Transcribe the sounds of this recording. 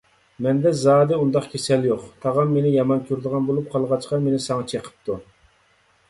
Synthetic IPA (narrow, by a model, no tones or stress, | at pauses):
mɛnd̪ɛzɑːd̪ɨund̪ɑqkʲʰesɛljoqt̪ʰɑʁɑmːenɪjɑmɑnkʲʰyɾd̪əʁɑnbolˠup̚qʰɑlˠʁɑt͡ʃqɑmenɪsɑŋɑt͡ʃʰeqʰə̥p̚t̪u